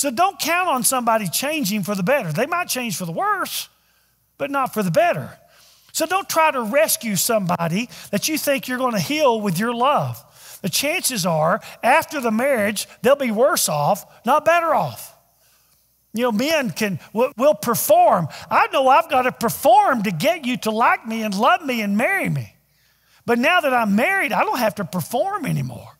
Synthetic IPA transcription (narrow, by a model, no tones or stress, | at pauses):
soʊdõʊ̃nkʰãʊ̃ntn̩sʌ̃mbɑɾit͡ʃʰẽɪ̃nd͡ʒɪ̃ŋfə˞ðəbɛɾə˞ðeɪmaɪt̚t͡ʃʰẽɪ̃nd͡ʒʒ̥fə˞ðəwɜ˞s | b̥ʌtⁿnətfə˞ðɨbɛɾə̰˞ | soʊdõʊ̃ntʰɹ̥aɪɾəɹɛskjʉsʌ̃mbɑɾiðɨt͡ʃɨθɪ̃ŋkjə˞ɡoʊɪ̃ntɨhilˠwɨðjə˞lʌv̥ | ðɨt͡ʃʰæ̃nsɨzə˞æftə˞ðɨmɛɹɪd͡ʒðeɪlˠbiwɜ˞sɔf | nət̚b̥ɛɾə˞ɔf | jɨnoʊmɛ̃nkʰɨ̃nwɪwɪlˠpʰə˞fɔɹmʔaɪnoʊaɪvɡɑɾɨpʰə˞fɔɹmtɨɡɛt͡ʃɨɾəlaɪk̚miɨ̃nlʌvmiɨ̃nmɛɹimi | b̥ʌtⁿnaʊðɨɾãɪ̃mːɛɹiɾaɪɾõʊ̃nt̚hæftɨpʰə˞fɔɹmɛnḭmɔ̰ɹ